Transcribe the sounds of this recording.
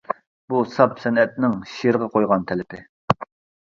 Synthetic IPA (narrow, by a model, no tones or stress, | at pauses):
b̥usɑpsɛnɛt̪̚nɪŋʃiɾʁɑqʰojʁɑnt̪ʰɛlɪpʰɪ